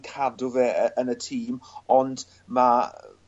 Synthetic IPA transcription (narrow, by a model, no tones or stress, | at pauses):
kʰadʊvɛəʔənətʰiːmɔnd | ma